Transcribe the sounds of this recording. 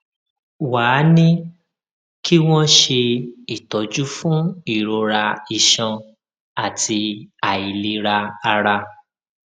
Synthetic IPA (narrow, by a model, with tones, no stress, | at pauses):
waː˨˦nĩ˦ | ki˦w̃ɔ̃˦ʃe˧i˨tɔ˨˦d͡ʒu˦fũ˦i˦˨ɾo˧ɾa˧i˨ʃã˧ | a˦˨tʰi˧a˨i˨li˧ɾa˧a˧ɾa˧